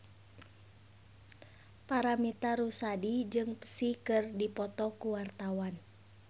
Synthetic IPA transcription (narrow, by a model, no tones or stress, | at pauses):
paɾamit̪aɾusadid͡ʒɨŋpə̥sikɨrdipɔt̪ɔkuwart̪awan